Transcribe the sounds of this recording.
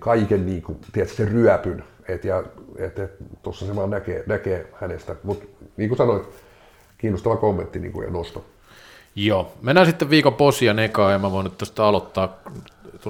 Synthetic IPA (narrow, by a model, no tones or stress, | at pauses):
kɑikenniːkut̪iæt̪sseryæpyn | et̪jɑḛt̪et̪t̪osːɑsemɑːnnækeːnækeːhænest̪æmut̪niːŋkusɑnoit̪ | kiːnːost̪ɑʋɑkomːḛnt̪ːinḭːŋkṵḛnost̪ɑ | joːmenːæsit̪ːeʋʋiːkomposjɑnekɑːemmæʋoˑinet̪t̪ːost̪ɑɑlot̪ːɑːkt̪o